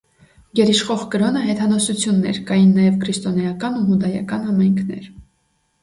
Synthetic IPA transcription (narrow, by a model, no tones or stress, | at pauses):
ɡɛɾiʃχɔʁkəɾɔnəɦɛt̪ʰɑnɔsut͡sʰjunːɛ̰ɾkɑjinːɑjɛvkʰɾist̪ɔnɑjɑkɑnuɦud̪ɑjɑ̰kɑnhɑmɑjŋkʰnɛ̰ɾ